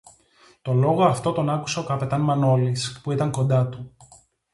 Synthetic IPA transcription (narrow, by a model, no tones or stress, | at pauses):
t̪o̞lo̞ɣo̞ɐft̪o̞t̪o̞nɐku̥seo̞kɐpe̞t̪ɐnmɐno̞lispuit̪ɐŋko̞nd̪ɐt̪u